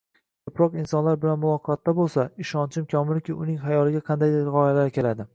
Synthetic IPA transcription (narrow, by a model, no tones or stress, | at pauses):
kʰɵpɾɒqɪnsɒnlaɾbɪlanmʊlˠɒqʰɒt̪ːabolˠsaɪʃɒnt͡ʃʰɪmkʲʰɒmɪlkʲɪʊnɪŋɦajɒlɪɡʲaqʰɑnd̪ajɾɪʁɒjalaɾkʲe̞lad̪ɪ